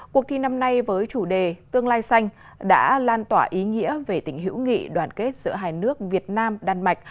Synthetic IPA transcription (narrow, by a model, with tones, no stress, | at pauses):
ku˨ək̚t̪ʰi˨˩na˧mna˧jvəː˨˦jt͡ɕu˧˩ɗe˨˩t̪ɨ˧əŋlaː˧jsa˧jŋ̟ | ɗa̰ː˧˥laː˧nt̪waː˧˩ʔi˨˦ŋḭ˧˥əve˨˩t̪ï˧˩ŋ̟ɦḭ˧˥wŋḭ˧˨ɗwaː˧˩nke˦˥t̚zɨ̰˧˥əɦaː˧˩jnɨ˦˥ək̚vi˨˩ət̚naː˧mɗaː˨˧˩nma˨˩jk̚